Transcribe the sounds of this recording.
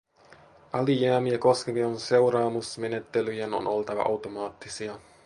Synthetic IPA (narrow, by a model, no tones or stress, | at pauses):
ʔɑlijæːmieko̞skemionse̞wɾɑːmusme̞net̪ːelyjeno̰no̞lt̪ɑʋɑ̰ʔɑwt̪omɑːt̪ːisiɑ